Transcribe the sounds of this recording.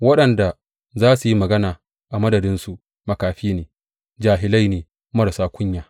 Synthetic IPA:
wɐ˦ɗɐ˨nda˨ | zaː˦su˨ji˦mɐ˨ɡɐ˦naː˨ | ʔa˨mɐ˦dɐ˨dɪ˦nsu˨ʔ | mɐ˨kaː˨ɸiː˦neː˨ | d͡ʒaː˨ɦɪ˨la˦jneː˨ | mɐ˦ɽsaː˦kʷʰʊ˦ɲjaː˨

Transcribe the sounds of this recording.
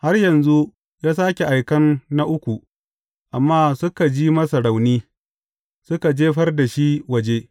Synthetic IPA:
ha˦rjɐ˨nzu˦ | jaː˦s̬aː˦kʲe˨ʔa˨jkɐ˦nːa˦ʔʊ˦kʷu˨ | ʔa˨mːaː˦sʊ˦ka˨d͡ʒiː˦mɐ˦sɐ˨ɽa˨wniː˦ | sʊ˦ka˨d͡ʒeː˦ɸɐ˦rda˨ʃi˦wɐ˨d͡ʒeː˦

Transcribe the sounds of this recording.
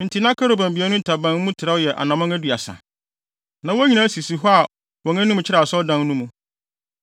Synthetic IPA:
n̩˨tʰi˨nã˦kʰa˦ɾo˨bã˨mbi˨˦ɛ˦nʊ̃˦tʰa˨bã˨˦n˦mũ˦tʰɪ˨ɾa˦jɛ˨ʔa̰˨nã˨mã˦ŋæ˦du˨a˨sã̰˨ | nã˨wɔ˦ɲĩ˨nã˦si˨si˨ɦɔ˦a˨ | wɔ̃˨ŋæ̃˦nũ˦m̃˨t͡ɕʰɪ˦ɾa˨sɔ˦dã˦ŋnũ˦mũ˨

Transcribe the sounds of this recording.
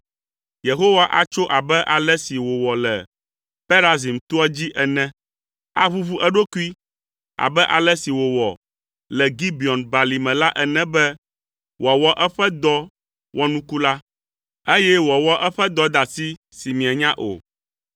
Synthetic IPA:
je˨ɦo˦wa˦ʔa̰˨t͡ʃo˦ʔa˨bɛ˦ʔa˨lɛ˦si˨wo˨wɔ˨lɛ˨ | pe˦ɾa˦zi˨mt̪u˦ɔ˦d͡ʑi˦ʔɛ˨nɛ̃˦ | a̰˦βu˦βu˦ʔɛ˦ɖo˦ku˦i˦ | a̰˨bɛ˦ʔa˨lɛ˦si˨wo˨wɔ̰˨ | lɛ˨ɡi˦bi˨ɔ˨nba˨li˨mɛ̃˨la˦ʔɛ˨nɛ̃˦bɛ˦ | wʔɔ˨wɔ˦ʔɛ˦ɸɛ˦d̪ɔ˦ | wɔ˦nũ˦ku˦la˦ | e˦jɛ˦wɔ˨wɔ˦ʔɛ˦ɸɛ˦d̪ɔ˦d̪a˨si˦ | si˨mĩ˨a˨ɲã˦ʔo̰˨

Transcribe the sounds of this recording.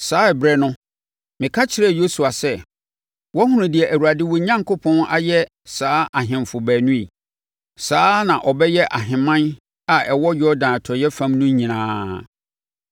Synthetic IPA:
saː˦ɛ˨bɾɛ˦nʊ̃˦ | mɪ̃˨kʰa˦t͡ɕʰɪ˦ɾɛ˦˨jo˦su˨a˨sɛ˦˨ | wɔ˦hũ˦ɾʊ̃˨dɪ˨ɛ˨ʔæ˨wu˨ɾa˨dɪ˦wɔ˦ɲã˦ŋkʰo˦pʰɔ̃˦na̰˦˨jɛ˦ | saː˨˦ʔa˨ɦɪ̃˨mfʊ˨bæː˨nũ˦i˨ | saː˦nã˨ʔɔ˨bɛ˦jɛ˦ʔa˨ɦɪ̃˨mã˦n | a˨ɛ˨wɔ˦jɔ˦dãː˨tʰɔ˨jɛ˦fã˦mnʊ̃˦ɲĩ˨nãː˦

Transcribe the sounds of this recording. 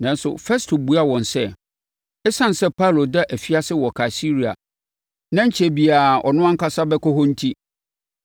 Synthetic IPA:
nã˨n̩˦sʊ̰˨fɛ˦stʰo˨bu˦a˦wɔ̃˨n˨sɛ˦ | ɛ˦sã˦n̩˨sɛ˦pʰa˦˨lo˨dɛ˦ʔæ˨fi˦a˦sɪ˦wɔ˨kʰa˨si˦ɾi˨a̰˨ | nã˦ɲ̩˦t͡ɕʰe˨bi˨a˨ɔ̰˨nʊ̃˦ã˦ŋ̩˦ka˦sa˦bɛ˦kɔ˦ɦɔ̃˦n̩˦tʰi˦

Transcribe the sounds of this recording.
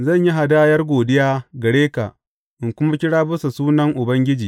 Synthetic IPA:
zɐ˦˨ɲji˦ɦa˨da˦jɐ˦rɡʷoː˨dɪ˦jaː˦ɡɐ˨ɽeː˦ka̰˨ʔ | ʔɪ˨ŋkʷʊ˦ma˦kʲɪ˦ɽaː˦bʊ˦sa˨suː˦nɐ˦ŋʔʊ˨bɐ˦ŋɡʲɪ˦d͡ʒiː˨

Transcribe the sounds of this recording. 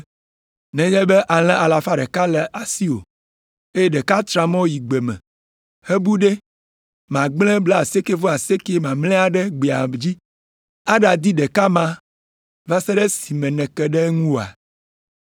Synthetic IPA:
nɛ̃˨ɲɛ˦bɛ˦ʔa˨l̃ɛ̃˦ʔa˨la˨fa˦ɖɛ˨ka˦lɛ˨ʔa˨si˦o̰˨ | e˦jɛ˦ɖɛ˨ka˦t̪ɾã˨mɔ̃˦ji˨ɡ͡be˨mɛ̰̃˨ | he˦bu˦ɖe˦ | mã˨ɡ͡blɛ̃˦blɛ˦a˨se˦ke˦vo˦a˨se˦ke˦mã˨mlɛ̃˦a˨ɖɛ˦ɡ͡be˨a˨d͡ʑi˦ | a˦ɖa˨d̪i˦ɖɛ˨ka˦mã˦ | va˦sɛ˦ɖɛ˦si˨mɛ̃˨nɛ̃˨kɛ˦ɖɛ˦ŋũ˦wo˨a̰˨

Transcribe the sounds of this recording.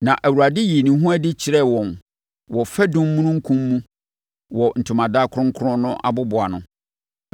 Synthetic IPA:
nã˨ʔæ˨wu˨ɾa˨dɪ˦ji˨nĩ˨ɦũ˦æ˦dɪ˦t͡ɕʰɪ˨ɾɛ˦˨wɔ̃˨n | wɔ˨fɛ˦dʊ̃˦m˦mːũ˦nʊ̃˦ŋ̩˦kʰũ˦mː˦ũ˦ | wɔ˨n̩˨tʰʊ˨mã˨daː˦˨kʰʊ˦ɾʊ̃˦ŋ̩˦kʰʊ˦ɾʊ̃˦nʊ̃˦ʔa̰˨bʊ˦bʊ˨a˨nʊ̃˦

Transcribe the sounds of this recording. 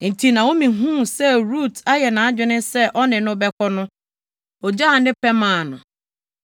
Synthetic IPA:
n̩˨tʰi˨nã˨wo˦mĩ˨ɦũ˦sɛ˦ɾu˦˨tʰa˦jɛ˨nã˨a˦d͡ʑᶣɪ˦nɪ̃˦sɛ˦ʔɔ˦nɪ̃˨nʊ̃˦bɛ˦kʰɔ˦nʊ̃˦ | ɔ˨d͡ʑa˦˨˦nɪ̃˦pʰɛ˦mãː˨nʊ̰̃˨

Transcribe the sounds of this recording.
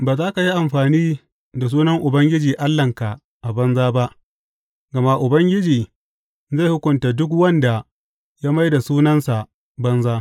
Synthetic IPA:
baː˨zaː˦ka˨ji˦ʔa˨mɸaː˨niː˦ | da˨s̬uː˦nɐ˦ŋʔʊ˨bɐ˦ŋɡʲɪ˦d͡ʒiː˨ʔa˦lːɐ˨ŋka˨ | ʔa˨bɐ˦nzaː˦ba˦ʔ | ɡɐ˨ma˦ʔʊ˨bɐ˦ŋɡʲɪ˦d͡ʒiː˨ | za˦˨jhʊ˦kʷʊ˨nta˨dʊ˦k̬wɐ˦nda˨ | jaː˦ma˦jda˨suː˦nɐ˦nsa˨ | bɐ˦nzaː˦

